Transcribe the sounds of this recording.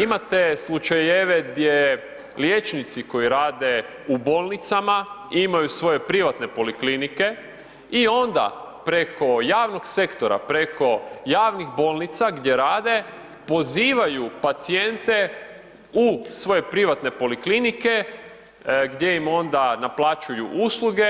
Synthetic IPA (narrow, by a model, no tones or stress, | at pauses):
imat̪e̞slˠut͡ʃajeʋeɡd̪je | ljet͡ʃnit̪siko̞jiɾaːd̪e̞ | uboːlˠnit̪sama | imajusʋo̞je̞pɾiʋat̪ne̞po̞liklinike̞ | io̞nd̪a̰pɾe̞kʰo̞jaːʋno̞ɡse̞kt̪o̞ɾa̰pɾe̞kʰo̞jaːʋnixbo̞lˠnit̪saɡd̪je̞ɾaːd̪e̞ | po̞ziːʋajupat̪sije̞nt̪e̞ | usʋo̞je̞pɾiʋat̪ne̞po̞liklinike̞ | ɡd̪je̞jimo̞nd̪anaplˠat͡ʃujuʔuslˠuɡe̞